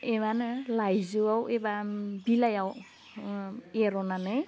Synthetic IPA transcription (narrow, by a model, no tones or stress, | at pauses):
emanlajzuawebabilajaw | eɾɔnanɯj